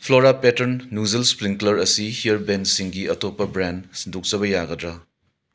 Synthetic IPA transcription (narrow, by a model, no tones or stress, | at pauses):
pʰloɾapetɐɾnːuzelspɾiŋklɐɾɐsihijɐɾbensiŋɡiɐtopːɐbɾandsindʱuk̚t͡ʃɐβɐjaɡɐdɾa